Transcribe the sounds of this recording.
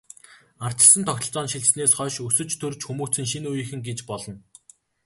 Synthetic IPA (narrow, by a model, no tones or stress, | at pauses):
ar̥t͡ɕə̆ɮsə̆nt̪ʰɔxʲt̪ɞ̆ɬt͡sɔːnʃiɮsneːsχœːʃɵsɵ̆t͡ɕt̪ʰɵrt͡ɕxumuːt͡sɘ̆ŋʃ̬inujĭxɘ̆ŋɡet͡ɕpɔɮɞ̆n